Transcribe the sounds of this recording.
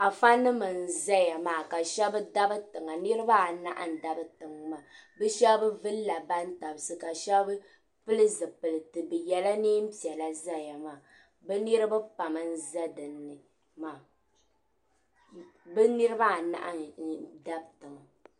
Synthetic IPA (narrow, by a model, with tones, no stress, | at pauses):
a˨fa˦nːɨ˦mɨ˨n̩˨za˦ja˨maː˨ka˨ʃɛ˦bɨ˦da˦bɨ˦tɨ˨ŋa˨nɨ˦ɾɨ˦ba˦a˨na̰˦ʔa˨n̩˨da˨bɨ˦tɨ˨ŋma˨bɨ˦ʃɛ˦bbɨ˦vɨ˦lla˨ba˦n˦ta˨bsɨ˦ka˨ʃɛ˦bbɨ˦ | pɨ˦lɨ˦zɨ˨pɨ˨lɨ˨tɨ˨bɨ˨jɛ˨la˦neː˦m̩˦pi˨ɛ˨la˦za˦ja˨maː˨ | bɨ˦nɨ˦ɾɨ˦ba˦pa˨mɨ˨n̩˦za˦dɨ˨nːɨ˨ | maː˨ | bɨ˦nɨ˦ɾɨ˦ba˦a˨na̰˦˨ʔa̰˦˨da˦b̚tɨ˨ŋa˨